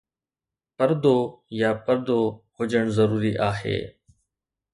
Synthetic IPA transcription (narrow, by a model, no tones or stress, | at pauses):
pɐɾd̪oːjaːpəɾd̪oːhʊd͡ʒəɽ̃zɐɾuːɾiʔaːɦḛː